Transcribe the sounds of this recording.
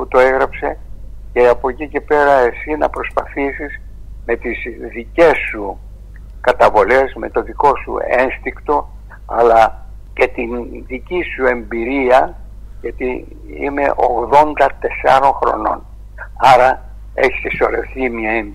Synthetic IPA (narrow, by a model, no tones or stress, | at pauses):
put̪o̞eɣɾɐpse̞ | ce̞ɐpo̞cice̞pe̞ɾɐe̞sinɐ̰pɾo̞spɐθisiz | me̞t̪izðice̞su | kɐt̪ɐvo̞le̞sme̞t̪o̞ðiko̞sṵenst̪ikt̪o̞ | ɐlɐ | ce̞t̪inðicisue̞mbiɾiɐ | ʝɐt̪i | ḭme̞̰ʔo̞ɣðo̞nd̪ɐt̪e̞sɐ̰ɾo̞ŋxɾo̞̰no̞̰n | ɐɾɐ | eçi̥seso̞ɾefθimɲɐem